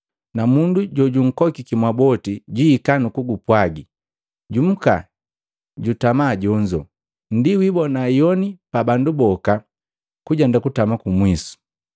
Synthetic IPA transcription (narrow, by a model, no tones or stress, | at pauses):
namunduɟɔɟuŋ̩kɔkikimwabɔtiɟiːkanukuɡupwaɡi | ɟum̩ka̰ | ɟutamaːɟɔɲd͡ʒɔ | n̩diwibɔnajɔnipabandubɔka | kuɟɛndakutamakumwisu̥